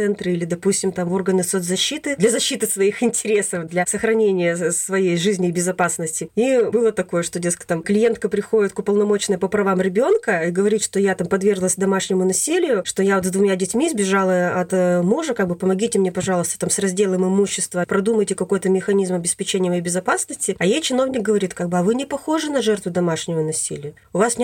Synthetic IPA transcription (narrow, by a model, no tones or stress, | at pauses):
ɛnt̪ɾɨilʲɪd̪ɐpusʲtʲɪmt̪amo̞rɡənɨsot̪zɐɕːit̪ɨd̪lʲɐzɐɕːit̪ɨsvɐixɪnʲtʲɪɾʲe̞səfd̪lʲɐsəxɾɐnʲenʲɪjəsvɐjejʐɨzʲnʲɪːbʲɪzɐpasnəsʲtʲɪibɨlˠət̪ɐko̞jəʂt̪odʲetskə̥t̪amklʲɪje̞nt̪̚kəpɾʲɪxo̞dʲɪt̪̚kʊpəlˠnɐmo̞t͡ɕɪnəjpəpɾɐvamɾʲɪbʲo̞nkəiɡəvɐɾʲit̪ʂt̪o̞jat̪ampɐd̪vʲe̞rɡlˠəsʲd̪ɐmaʂnʲɪmʊnɐsʲilʲɪjʊʂt̪ojaot̪zd̪vʊmʲadʲɪtʲmʲizbʲɪʐalˠəɐt̪muʐəkaɡ̚bɨpəmɐɡʲitʲɪmnʲepɐʐɑlˠʊst̪ə̥t̪amsrɐzʲdʲe̞lˠəmɨmuɕːɪst̪vəpɾɐd̪uməjtʲɪkɐko̞jt̪əmʲɪxɐnʲizmɐbʲɪspʲɪt͡ɕenʲɪjəmɐjejbʲɪzɐpasnəsʲtʲɪɐjejt͡ɕɪno̞vnʲɪk̚ɡəvɐɾʲit̪kaɡ̚bɨɐvɨnʲɪpɐxo̞ʐɨnɐʐɛrt̪vʊd̪ɐmaʂnʲɪvənɐsʲḭlʲɪjə | ʊvasnʲ